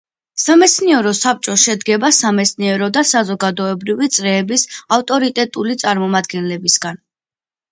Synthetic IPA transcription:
samɛt̪sʰniɛɾɔsap̚t͡ʃʼɔʃɛd̪ɡɛbasamɛt̪sʰniɛɾɔd̪asazɔɡad̪ɔɛbɾivit̪sʼɾɛːbisaft̪ʼɔɾit̪ʼɛt̪ʼulit̪sʼaɾmɔmad̪ɡɛnlɛbisɡan

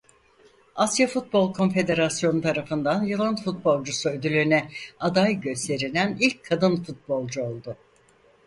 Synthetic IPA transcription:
asjafut̪̚bo̞lˠkʰo̞nfe̞d̪e̞ɾasjo̞nut̪ʰaɾafɯnd̪anjɯlˠɯnfut̪̚bo̞lˠd͡ʒusuød̪ylʲynɛad̪ajɟø̞st̪ʰe̞ɾilʲænilʲc̚kʰːad̪ɯnfut̪̚bo̞lˠd͡ʒuo̞lˠd̪ʊ

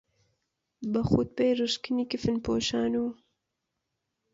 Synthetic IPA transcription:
bəxut̪̚pejɾɨʃkɨnikifɨnpʰo̰ːʃaːnuː

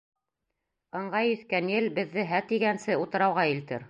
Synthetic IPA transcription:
ɤ̆ɴɢɑjɵ̆θkænjɘlbɘ̆ðːɘɦæt̪iɡænsɘut̪ɤ̆ɾɑwʁɑilt̪ɘ̰ɾ

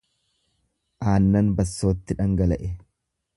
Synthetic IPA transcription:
ʔaːnːɐnbɐsːoːt̪ːɪᶑɐŋɡɐlɐʔɛ

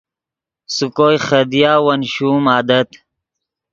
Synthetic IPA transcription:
sukoːjxɐd̪ijaːwɐnɕuːmaːd̪ɐt̪

